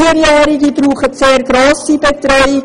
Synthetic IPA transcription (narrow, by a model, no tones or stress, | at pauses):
iəɾjæːɾiɡibɾuːχətseːɾɡɾoːsibɛt̪ɾɔʏɪ